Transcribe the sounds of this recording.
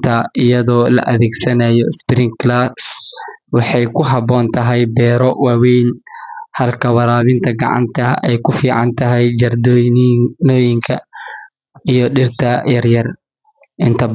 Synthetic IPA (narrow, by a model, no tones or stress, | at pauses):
t̪ʰɐʔɪjɐðɔːlɐ̰ʔɐðɛːɡsɐnajɔspɾɪŋklaswɑħɑjkʰʊɦɑbɔːnt̪ʰɐɦɛjbɛːɾɔwɑːwɛjnhɐlkʰɐwɑɾaːβɪnt̪ʰɐɡɑ̰ʕɑ̰nt̪ʰɐɛjkʰʊfiːʕɑ̰nt̪ʰɐɦɛjd͡ʒɐrd̪ | nɔːjɪŋkʰɐ | ijɔɗɪrt̪ʰɐjɐrjɐr | ʔɪnt̪ʰɐ